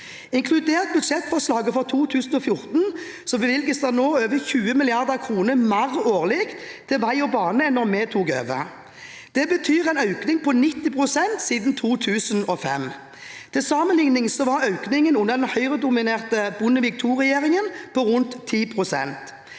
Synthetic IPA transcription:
ɪŋkʰlʉd̪eːʁt̪̚bʉd̪ʂɛt̪fɔʁslɑːɡəfɔʁt̪ʰuːt̪ʰʉːsn̩ɔfjʊɾt̪n̩ | sɔbəʋɪlɡəsd̪ænoːøːʋəçʉːəmɪlɪɑʁd̪əʁkʰʁuːnəmæʁoːʁlɪɡt̪ʰɪlʋæɪɔbɑːnəɛnɔmeːt̪ʰuːkø̰ːʋə̰ | d̪̥ɛbət̪ʰyːʁɛɪnɑʉknɪŋpʰɔnɪt̪ːɪpʰʁʊsɛnt̪siːd̪n̩t̪ʰuːt̪ʰʉːsənɔfɛ̰m | t̪ʰɪsɑːmənlɪŋnɪŋsɔʋɑɾɑʉknɪŋənʉnːəʁd̪ɛnhœʏʁəd̪ʊmɪneːʁt̪əbʊnəʋɪk̚t̪ʰuːʁɛjeːʁɪŋənpʰɔʁʊnt̪ʰːiːpʰʁʊsɛ̰nt̪

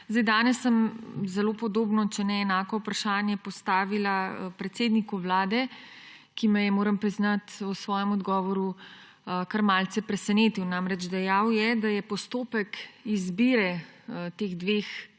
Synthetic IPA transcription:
zd̪ajd̪aːnɛsːəmzɛloːpɔd̪oːbnɔt͡ʃɛnɛːnaːkɔwpɾaʃaːnjɛpɔst̪aːʋilapɾɛt̪seːd̪nikuʋlaːd̪ɛ | kimɛjɛmoːɾəmpɾiznat̪ɔsʋɔːjɛmɔd̪ɡɔːʋɔɾu | kaɾmaːlt̪sɛpɾɛsɛneːt̪iwnamɾɛd͡ʒd̪ɛjawjɛd̪ajɛpɔst̪oːpəkizbiɾɛt̪eɣd̪ʋex

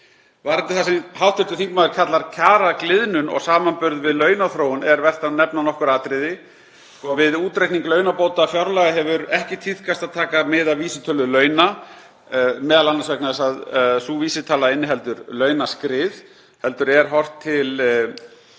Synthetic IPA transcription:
vaɾɪnt̪ɪθasɛmɦawht̪ʏɾt̪ʏθiŋkmaːðɪɾ̥kʰat̪laɾ̥cʰaːɾaklɪðnʏnɔ̰ɣsaːmanpʏɾðvɪðlœːɥnaθɾoːwʏnɛɾvɛr̥t̪anɛpnanɔhkʏɾaːt̪ɾɪðɪ | sɔvɪðuːt̪ɾejhkniŋklœːɥnapoːwt̪afjawɾlaɣɪɦɛvʏɾɛhcɪt̪ʰið̥kʰast̪aðt̪ʰaːkamɪðaviːsɪt̪ʰœlːʏlœːɥna | mɛːðalanːaɾsvɛknaðɛsaðsuːviːsɪt̪ʰaːlaɪnːɪɦɛlt̪ʏɾlœːɥnaskɾɪð | hɛlt̪ʏɾɛɾ̥ɦɔr̥t̪ʰːɪl

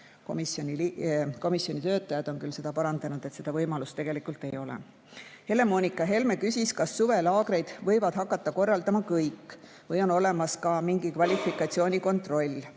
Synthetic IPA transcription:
komisonʲilko̞misio̞nʲit̪ø̞ːt̪ːˑɑjɑd̪̥o̞nkylse̞d̪̥ɑpɑɾɑnd̪̥ɑnud̪̥et̪se̞d̪ɑvɤjmɑlust̪e̞ɡ̥e̞likːˑult̪e̞jo̞lḛ | he̞le̞mo̞ːnʲikːˑɑɦe̞lmekysʲiskɑsːuve̞lɑːɡ̥ɾe̞jd̪̥vɤjvɑd̪̥ɦɑkːˑɑt̪ːɑko̞rːɑld̪ɑmɑkɤjkːˑ | vɤjo̞no̞le̞mɑskɑmiŋɡ̥ikvɑlʲifikːˑɑt̪sio̞ːnʲiko̞nt̪ro̞lʲː

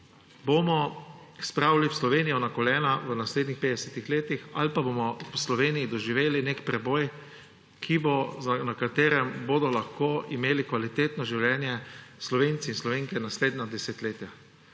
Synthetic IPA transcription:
bomɔ | spɾaːwliwslɔʋenijɔnakɔljɛːnaʋənasleːd̪nixpeːd̪ɛsɛt̪ixleːt̪ixa̰lpaboːmɔwslɔʋeːnijid̪ɔʒiʋeːlinekpɾɛboːj | kʰibozanakat̪eːɾɛmboːd̪ɔlaxkoːimeːlikʋalit̪eːt̪nɔʒiwljɛːnjɛslɔʋeːnt̪siinslɔʋeːŋkɛnasleːd̪nad̪ɛset̪leːt̪ja

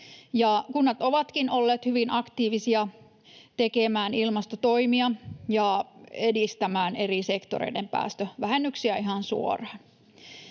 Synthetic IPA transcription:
jɑkunːɑt̪oʋɑt̪kinolːeːt̪hyʋinʔɑkt̪iːʋisiɑ | t̪ekemæːnilmɑst̪ot̪oimiɑjɑedist̪æmæːne̞risekt̪o̰ɾḛijdempæ̰ːst̪øʋæhenːyksiæiɦɑnsṵo̰rɑːn

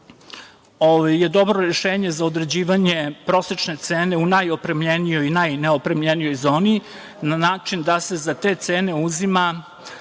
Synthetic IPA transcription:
oʋajːe̞d̪o̞bɾo̞ɾeʃeːɲe̞zaod̪ɾe̞d͡ʑiːʋaɲe̞pɾo̞set͡ʂne̞t̪seːneunajo̞pɾemʎenijo̞jinajneopɾemʎenijo̞jzo̞ːni | nanaːt͡ʂind̪ase̞zat̪et̪se̞ːne̞uzima

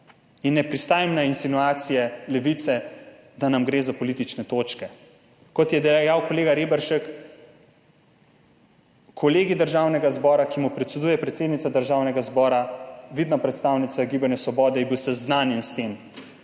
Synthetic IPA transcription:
inːɛpɾist̪aːjimnainsinuaːt̪sijɛlɛʋit̪sɛ | d̪anamɡɾeːzapɔlit̪it͡ʃnɛt̪oːt͡ʃkɛ | kɔt̪jɛd̪ɛjawkɔleːɡaɾeːbɛɾʃɛk | kʰɔleːɡid̪əɾʒaːwnɛɡazbɔːɾakimupɾɛt̪sɛd̪uːjɛpɾɛt̪seːd̪nit̪ad̪əɾʒaːwnɛɡazbɔːɾaʋid̪napɾɛt̪st̪aːwnit̪saɡibanjɛsʋɔbɔːd̪ɛjibiwsɛznaːnjɛnst̪em

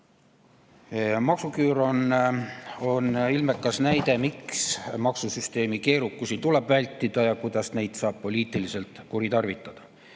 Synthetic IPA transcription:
mɑksukyːɾon | o̞nilmekːˑɑsnæjd̪̥e̞miksmɑksusyst̪e̞ːmike̞ːɾukːˑusit̪ule̞b̥vælʲt̪ːˑid̪̥ɑjɑkujd̪̥ɑsne̞jd̪̥sɑːb̥po̞lʲiːt̪ːˑilise̞lt̪ˑkuɾit̪ɑrvit̪ːˑɑd̪̥ɑ

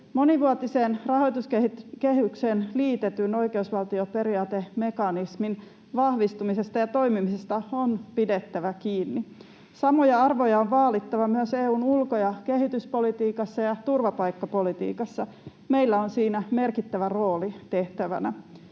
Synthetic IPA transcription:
mo̞niʋuɑt̪iseːnrɑho̞jt̪uskekeɦykse̞ːnliːt̪et̪yno̞jkeusʋɑlt̪iope̞ɾiɑːt̪eme̞kɑnismin | ʋɑhʋist̪umisest̪ɑjɑt̪o̞jmimisest̪ɑonpidet̪ːæʋækiːnːi | sɑmojɑɑrʋojɑoʋʋɑːlit̪ːɑʋɑmyøseːuːnulkojɑke̞ɦit̪yspo̞lit̪iːkɑsːɑjɑt̪urʋɑpɑjkːɑpo̞lit̪ḭːkɑsːɑ | me̞ilːæonsiːnæme̞rkit̪ːæʋæro̞ːlit̪eht̪æʋæ̰næ

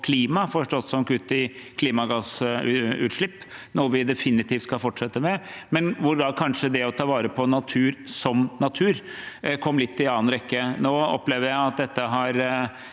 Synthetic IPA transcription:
kʰliːmɑfɔʂʈɔt̪ːsɔmkʉt̪ːɪkʰliːmɑɡɑs | ʉ̰ːt̪ʂɭɪpːnɔɾʋɪd̪ɛfɪnːɪt̪iːft̪skɑlfɔʈʂɛt̪ːəmɛmɛnʋʊɾɡ̪ɑkʰɑnʂəd̪ɛɔt̪ʰɑːʋɑːɾəpʰɔnɑt̪ʰʉːɾsɔmnɑt̪ʰʉːɾkʰɔmːlɪt̪ːɪlɑːənɾɛkːənoːɔ̰pːleːʋəɾjæɪɑt̪̚d̪ɛt̪ːəɦɑɾ

